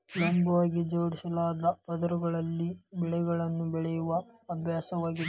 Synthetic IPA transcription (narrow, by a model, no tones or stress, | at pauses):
lɐmbɐʋaːɡid͡ʒoːɽisɐlaːd̪ɐpɐd̪ɐɾuɡɐɭɐlːibɛɭɛɡɐɭɐnːubɛɭɛjuʋɐɐbʱjaːsɐʋaːɡid̪e